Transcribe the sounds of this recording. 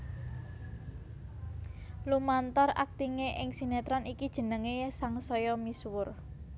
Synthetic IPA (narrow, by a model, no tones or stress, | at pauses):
lumant̪ɔra̰k̚t̪iŋeʔɪŋsinet̪ɾɔnikid̥ʒ̥ə̤nəŋesaŋsɔjɔmiswʊr